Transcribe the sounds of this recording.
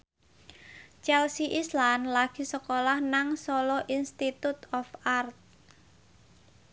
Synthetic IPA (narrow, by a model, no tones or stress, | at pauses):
t͡ʃɛlsiʔislanlaɡ̥i̤səkolahnaŋsɔlɔʔinst̪it̪ut̪ɔfart̪̚